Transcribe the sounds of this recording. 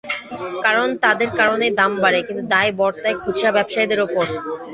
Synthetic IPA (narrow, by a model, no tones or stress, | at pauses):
kaɾont̪ad̪eɾkaɾoned̪ambaɾekint̪ud̪ajbɔɾt̪aekʰut͡ɕʰabɛbʃajd̪eɾopoɾ